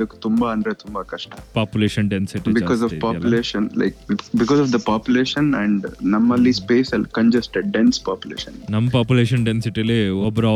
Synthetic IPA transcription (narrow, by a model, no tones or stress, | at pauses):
d̪ɐku̥t̪umbaɐnɖɾet̪umbaːkɐʂʈɐpaːpjuleːʃɐnɖensiʈibikɔːzɔʋpaːjuleːʃɐnla̰ɪkbikɔːzɔːfd̪ɐpaːpjuleːʃɐnɛ̃ɳɖnɐmːɐlːiːspeːsɐlkɐ̃ɲd͡ʒɐsʈeɖẽnspaːpjulḛːʃɐnnɐmːɐpaːpjuleːʃɐnɖensiʈileɔbɾa